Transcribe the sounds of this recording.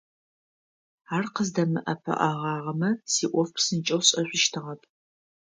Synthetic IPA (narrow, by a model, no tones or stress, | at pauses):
aːrqəzdɐmɨʔɐpʰɐ̰ʔɐʁɑːʁɐmɐsiːʔʷɔfpsɨnt͡ʃʼɐwɕʼɐɕʷɪʃtʰɨʁɐpʼ